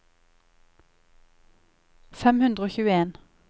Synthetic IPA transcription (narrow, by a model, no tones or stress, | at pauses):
fɛmhʉnd̪ʁəoːçʉːəeːn